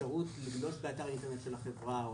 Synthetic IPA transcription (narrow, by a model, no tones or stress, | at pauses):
aʁutliɡlo̞sbeaːtaʁint̪enetʃelaχevʁao